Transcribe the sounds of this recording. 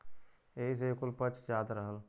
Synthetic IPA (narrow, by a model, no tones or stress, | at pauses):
eɦiseekʊlpət͡ʃd͡ʒaːd̪ɾəɦəl